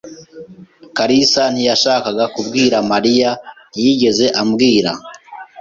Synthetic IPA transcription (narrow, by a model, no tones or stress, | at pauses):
kaɾisan̥hijaʃaːkaɡakubɡiːɾamaɾija | jiɟe̞ze̞ʔamɡiːɾa̰